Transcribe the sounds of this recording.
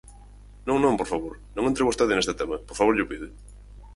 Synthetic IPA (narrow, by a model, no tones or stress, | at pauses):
nõŋnõŋpoɾfaβoɾnõŋent̪ɾewost̪eðɪnest̪ɪt̪emɐpoɾfaβoɾʎʊpiðɪ